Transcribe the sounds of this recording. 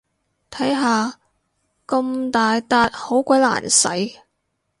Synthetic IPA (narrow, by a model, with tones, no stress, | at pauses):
t̪ʰɐ˨˥jɦaː˨ | kʊ˧mt̪aː˨jt̪aː˧t̚ho˨˥wkʷɐ˨˥jla̰ː˨˩nsɐ̰˨˥j